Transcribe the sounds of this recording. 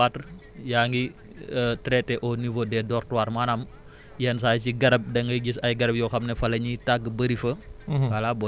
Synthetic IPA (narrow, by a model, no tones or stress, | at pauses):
at | jaːŋɡi | ətɾɛtːɛʔɔnivodɛdɔrtuwaːɾmanam | jɛns̬aːjsiɡɐɾɐb̚dɐŋɡɐɡisɐjɡɐɾɐbjɔxɐmnɛfɐlɐɲitaɡəbəɾifəalabɔ